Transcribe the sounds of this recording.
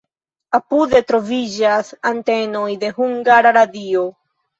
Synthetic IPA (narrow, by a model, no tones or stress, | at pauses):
apude̞tɾo̞vid͡ʒasante̞no̞jde̞ɦuŋɡaɾaɾadio̞